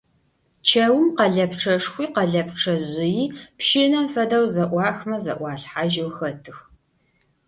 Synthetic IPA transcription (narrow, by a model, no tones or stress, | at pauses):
t͡ʃʰɐwʊmqɐɮɐpʈ͡ʂʰɐʂxʷiːqɐɮɐpʈ͡ʂʰɐʑɪjiːpʃɪnɐmfɐdɐwzɐʔʷɑːxmɐzɐ̰ʔʷɑːɬħaʒɪwxɐtʰɨx